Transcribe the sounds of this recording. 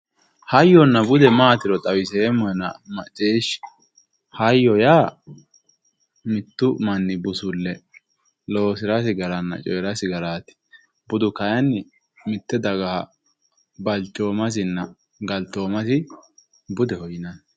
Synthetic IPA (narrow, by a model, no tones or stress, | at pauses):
hɐjːɔnːɐbʊd̪ɛmaːt̪ɪɾɔt̪ʼɐwɪsemːɔjnɐ̰mɐ̰t͡ʃʼːeːʃ | hɐjːɔjaː | mɪt̪ːʊmɐnːɪbʊsʊlːɛ | loːsɪɾɐs̬ɪɡɐɾɐnːɐ̰t͡ʃʼɔjɾɐsɪɡɐɾaːt̪ɪ̥ | bʊd̪ʊkɐjɐnːɪ | mɪt̪ːɛd̪ɐɡɐɐ | bɐlt͡ʃʼːoːmɐs̬ɪnːɐ | ɡɐlt̪ːoːmɐsɪ | bʊd̪ɛhɔjɪnɐn